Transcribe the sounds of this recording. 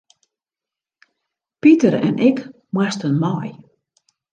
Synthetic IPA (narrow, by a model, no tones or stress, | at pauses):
pitərɛ̰nʔɪk | mwɛstənmɔj